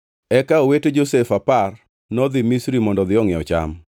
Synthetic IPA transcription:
ɛkaoweted͡ʒosefapar | nɔd̪ɪmisɾimɔndɔd̪ɪɔŋɪɔ̰t͡ʃa̰m

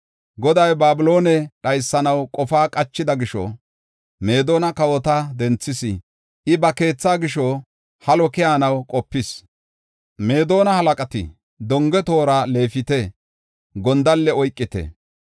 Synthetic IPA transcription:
ɡɔd̪ɐjbaːbɪlo̞ːnɛɗɐjsːɐnɐwkʼɔfaːkʼɐt͡ʃːɪd̪ɐɡɪʃɔ̰ | me̞ːd̪o̞ːnɐkɐwɔt̪ɐd̪ɛnt͡sːɪsɪ | ʔɪbɐke̞ːt͡sːaːɡɪʃɔ | hɐlɔkɪjaːnɐwkʼɔpːɪs | me̞ːd̪o̞ːnɐhɐlɐkʼɐt̪ɪ̰ | d̪ɔŋɡɛt̪o̞ːɾale̞ːfɪt̪ɛ | ɡɔnd̪ɐlːɛɔjkʼːɪt̪ɛ̰

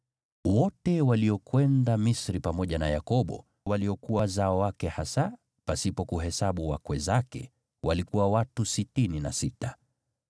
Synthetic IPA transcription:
wɔtɛwaliɔkwɛndamisɾipamɔʄanajakɔɓɔ̰ | waliɔkuwazaɔwakɛhasa | pasipɔkuɦɛsaɓuwakwɛzakɛ̰ | walikuwawatusitininasita

